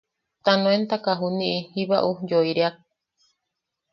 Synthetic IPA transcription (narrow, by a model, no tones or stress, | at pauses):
t̪anõent̪akaɦunĩʔihiβaʔujoiɾeak̚